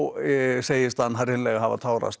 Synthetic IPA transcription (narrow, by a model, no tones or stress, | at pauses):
wseːjɪst̪hanːɦaɾhɪnlɛɣaɦava̰t̪ʰaːwɾa̰st̪